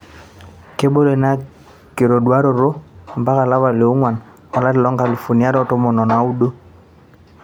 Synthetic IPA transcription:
ke˦bo˦le˨na˨ | ke˨ɾo˨ɗwa˦ɾo˨ɾo˦mba˦ka˨la˦βa˨le˨o˦ŋwa˨n | ɔ˨la˦lɪ˨lɔ˦ŋɡa˨lu˨fu˨ni˦a˦ɾɔ˦to˦mɔ˨nɔ˨na˨˦u˦ɗo˦

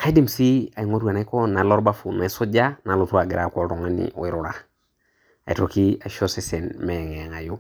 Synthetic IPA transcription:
kʰa˦i˦di˦msi˦a˨i˨ŋo˦twa˨na˨˦kɔ˦na˨˦lɔ˦ɾba˦fu˨na˨i˦sɔ˦d͡ʒa˦na˨lo˨tu˦a˨ɡɪ˨ɾa˦kɔ˨ltɔ˨ŋa˦nḭ˨o̰˨ɪ˦ɾʊ˨ɾa˨ | a˨i˨to˨ki˦a˨ʃɔ˦se˦sɛ˨nmɛ˨ɛ˨ŋɛ˨ŋa˨jo˦

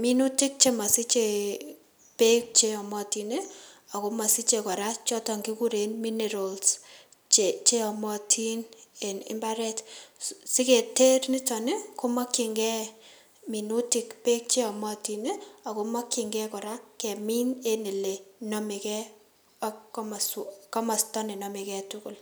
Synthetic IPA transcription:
mi˦nu˦ti˦k̚t͡ʃe˦ma˨si˦t͡ʃe˨ | pe˦k̚t͡ʃe˦ɔ˨mɔ˦ti˨ne˦a˨ko˦ma˨si˦t͡ʃe˨kɔ˨ɾa˦t͡ʃɔ˦tɔ˨ŋɡi˦ku˦ɾe˨nmi˦ne˨ɾo˨ls | t͡ʃt͡ʃe˦ɔ˨mɔ˦tʰi˦ne˨nɪ̰˦mba˦ɾɛ˦tsi˦ke˨te˦rni˦tɔ˨ne˦ko˦ma˦kːi˨ŋɡɛ˦ | mi˨nu˦ti˨kpe˦k̚t͡ʃe˦ɔ˨mɔ˦ti˨ne˦a˨ko˨˦ma˦kːi˨ŋɡɛ˦kɔ˨ɾa˦kɛ˨mi˦ne˦ne˨le˨nɔ˦me˨kɛ˦ | m˨ska˦ma˨stɔ˦ne˨nɔ˦mi˨kɛ˦tʊ˦kʊ˨l

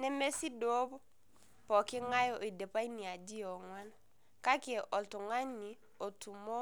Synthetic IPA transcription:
nɛ˦me˦si˦do˦b | pɔ˨ki˦ŋa˦jɔ˨ʔi˨de˨pa˦i˦ni˨a˨di˦ɔ˨ŋwa˦n | ka˦ki˦e˨ʔɔ˨ltu˨ŋa˦ɲni˨ | o˨tu˨mɔ˦

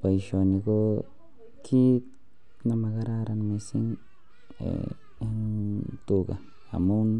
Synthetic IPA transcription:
pa˨i˨ʃo˨ni˧ɡo˦ | kʰi˦k | na˦ma˧ɡa˦ɾa˦ɾa˧nme˧sḭ˦ŋ | ḛ˦ | nt̪u˧ɡa˨ | a̰˨mu˦n

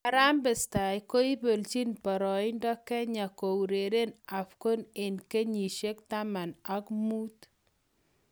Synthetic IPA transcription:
a˨ɾa˦mbɪ˨sta˨jko˦i˦bo˨lt͡ʃi˦npɔ˨ɾɔ˨ɪ˦ndɔ˦kɛ˦ɲa˨ko˨wɾe˨ɾe˦na˨fko˦nɪ˨nke˦ɲi˨ʃe˦kta˦ma˨na˨kmu˦t

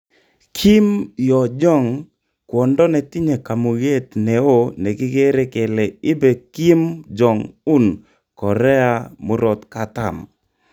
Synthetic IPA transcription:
kʰi˦mjɔ˨d͡ʒɔ˦˨ŋ | kwɔ˨ndɔ˦nɛ˨ti˦ɲe˨ka˨mo˨ɣe˦t̪nɛ˨o˦ne˨ɡɪ˦ɡe˦ɾe˦kɛ˨le˨ɪ˦be˨ki˦md͡ʒɔ˨ŋu˦n | kɔ˨ɾɛ˦a˦mo˦ɾɔ˨t̪ka˨ta̰˨m

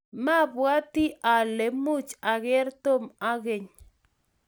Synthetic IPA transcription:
ma˦bwa˦t̪i˦ʔa˨le˨mu˦t͡ʃa˨ɡɪ˦rt̪o˦ma˦ɡe˨ɲ

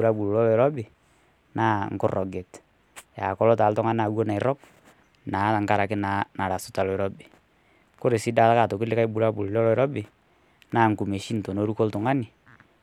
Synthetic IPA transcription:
u˨ɾa˦bu˨lu˨ɔ˦e˨ɾɔ˦bɪ˨ | naː˦ŋ̩˨kʊ˦rɔ˨ɡe˨t | ja˨kɔ˦lɔ˦taː˨˦ltɔ˦ŋa˦n˦a˨wo˦na˨ɪ˨ɾɔ˦k̚ | naː˨˦ta˨ŋka˦ɾa˨kɪ˦na˨na˨ɾa˨sʊ̥˨ta˨lɔ˨ɛ˨ɾɔ˦bɪ˨ | ko˦ɾe˨si˦da˦lka˦˨to˨kɪ˦lɪ˦ka˦i˦bu˨ɾa˦bu˨llɔ˦lɔ˦ɾɔ˦bɪ˨ | naː˦˨ŋ̩˨ku˨me˨ʃi˦n̩˨to˨no˦ɾu˦ko˦ltʊ˨ŋa˦nɪ˨

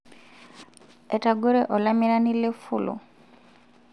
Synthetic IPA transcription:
ɛ˨ta˨ɡu˦ɾɛ˦ʔɔ˨la˦mi˦ɾa˦ni˦le˦fṵ˨lṵ˨

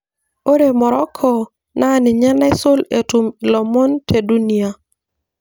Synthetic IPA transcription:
o˦ɾe˨mɔ˨ɾɔ˦kʰɔ˨ | na˦nɪ˨ɲɛ˦na˦ɪ˦sʊ˦le˨tu˨m˨lɔ˨mɔ˦ntʰe˨du˦ni˨a˨

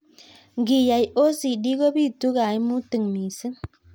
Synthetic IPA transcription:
ŋ˨ɡi˨ja˨jo˦si˨di˦ɡo˦bi˦˨tu˦ɣa˨jmu˦tɨ˨ŋmi˨sɨ˦n

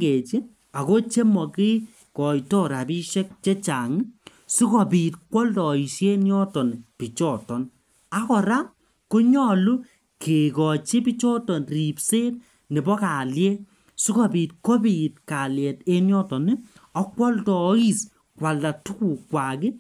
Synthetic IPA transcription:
e˨t͡ʃi˦ | a˨ko˦t͡ʃe˦mɔ˨kɪ˦ | kɔ˨jtɔ˦ɾa˨pi˦ʃɛ˦k̚t͡ʃe˦t͡ʃa˨ŋi˦ | su˦kɔ˨pi˨tkwɔ˦ltɔ˨i˨ʃe˦njɔ˦tɔ˨n˨pi˨t͡ʃɔ˦˨tɔ˨n | a˦kɔ˨ɾa˦ | kʊ˦ɲɔ˦lu˦ | kʰe˨kɔ˨t͡ʃe˦pi˦t͡ʃɔ˦tɔ˨nri˨pse˦t̚ | ne˨bɔ˦ka˨ljɛ˦ | su˦kɔ˨pi˨t̚kɔ˦bi˨t̚ka˨ljɛ˨te˦njɔ˦tɔ˨nɪ˦ | ɔ˦kwɔ˦ltɔ˨˦i˦˨s | kwa˨lda˨tu˦ku˨kwa˨kɪ˦

